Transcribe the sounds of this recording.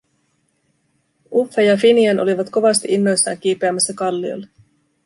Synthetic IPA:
ʔufːejɑfiniɑnʔo̞liʋɑt̪ko̞ʋɑst̪iʔinːo̞jsːɑːŋk̟iːpe̞æmːæsːækɑlːio̞̰jlːe

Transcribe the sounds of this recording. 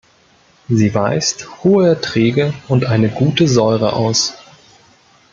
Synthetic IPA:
ziːvaɪsthoːəɛɐtʁ̥iːɡəʔʊntʔaɪnəɡuːtəzɔʏʁə̰ʔa̰ʊs

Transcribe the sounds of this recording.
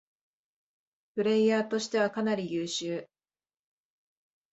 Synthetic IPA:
pɯ̟ɾe̞iːaːt̪o̞ɕi̥t̪e̞β̞akanaɾʲijɯːɕɨː

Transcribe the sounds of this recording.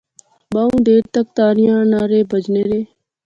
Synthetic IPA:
baːũːd̪eːɾt̪ək̚t̪aːɾɪjãːnaːɾeːbəd͡ʒneːɾeː

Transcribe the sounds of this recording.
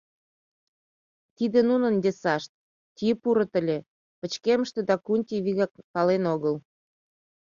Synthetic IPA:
t̪id̪enunənd̪esɑʃt̪̚ | t̪ʲiəpuɾə̆t̪ə̆lʲe | pə̆t͡ɕkeməʃt̪ed̪ɑkunʲt̪ʲiβiɣɑkpɑlenoɣəl

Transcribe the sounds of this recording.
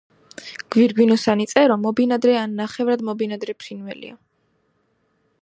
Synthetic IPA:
ɡ̥viɾɡwinɔsanit̪sʼɛɾɔmɔbinad̪ɾɛanːaχɛvɾad̪mɔbinad̪ɾɛpʰɾinvɛ̰lḭa

